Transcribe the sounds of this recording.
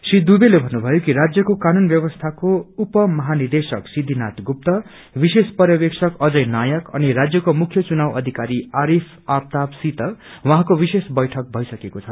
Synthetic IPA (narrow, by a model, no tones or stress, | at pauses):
srid̪ubelebʱʌnːubʱʌjokiɾad͡zjʌkokanunbjʌbʌst̪ʰakoupʌmʌɦanird̪esʌksid̪ʱinat̪ɡup̚t̪ʌ | bisespʌɾjʌbeksʰʌkʌd͡zʌjnajʌkʌ̰nirad͡zjʌkomukʰjʌt͡sunawʌd̪ʱikaɾiaɾipʰap̚t̪absit̪ʌwãɦãkobisesbʌjʈʰʌk̚bʱʌjsʌkekot͡sʰʌ